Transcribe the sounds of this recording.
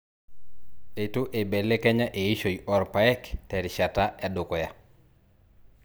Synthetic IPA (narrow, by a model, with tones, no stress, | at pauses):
e˨tu˦ʔe˨bɛ˨le˦kɛ˦ɲa˦ʔe˨i˦ʃo˨iʔɔ˨ɾpa˨ɛ˦ktɛ˨ɾʃa˨ta˦a˦dʊ˨kɔ˨ja˦